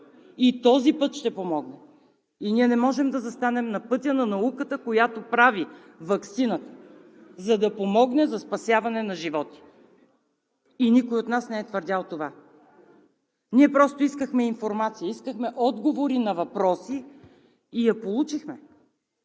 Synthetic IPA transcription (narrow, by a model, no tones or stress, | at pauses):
it̪ɔzipɤt̪ʃt̪ɛpomɔɡnɛ | iniɛnɛmɔʒɛmd̪ɐzɐst̪anɛmnɐpɤt̪ʲjənɐnɐukət̪əkojat̪opɾavi | vɐksinət̪ə̥ | zɐd̪ɐpomɔɡnɛzɐspɐsʲjavɐnɛnɐʒivɔt̪i̥ | inikojot̪nasnɛɛt̪vəɾd̪ʲalˠt̪ova | niɛpɾɔst̪oiskəxmɛinfoɾmat̪sijəiskəxmɛʔɔd̪ɡovoɾinɐvɐpɾɔsiː | jɐpolˠut͡ʃixmɛ